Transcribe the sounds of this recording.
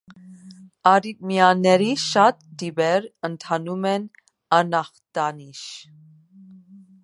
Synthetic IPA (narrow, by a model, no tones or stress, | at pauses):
ɑɾit̚mjɑnɛɾiʃɑt̪̚d̪ibɛɾənt̪ʰɑnumɛn | ɑnɑχt̪ɑniʃ